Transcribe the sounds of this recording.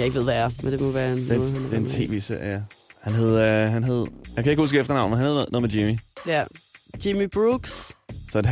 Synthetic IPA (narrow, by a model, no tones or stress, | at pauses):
jäeɡ̥ʋḛʋææɐmend̥emɔʋæɐn̥end̥eent͡sʰe̝̰ːʋḛːseɐ̰jæhænɦe̝ð̞̰ˠɦænɦe̝ð̞̰ˠjaɪkʰæɪɡ̥husɡ̥əefd̥ɐnɑ̈ʊ̰nmenhnheðˠno̽ð̩ˠmed͡ʑimijæd̥imib̥ʁuɡ̥ssɒ̥